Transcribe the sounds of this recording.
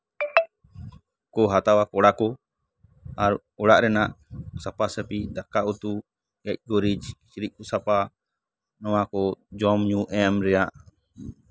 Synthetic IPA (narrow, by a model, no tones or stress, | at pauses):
kɔɦat̪awakɔɽakɔ | aɾ | ɔɽaʔɾɛnaʔsapasəpid̪akaut̪u | ɛc̚ˀɡɔɾid͡ʒsɾiʔ̚kusapa | nɔwakɔd͡ʒɔmɲuʔɛmɾɛjaʔ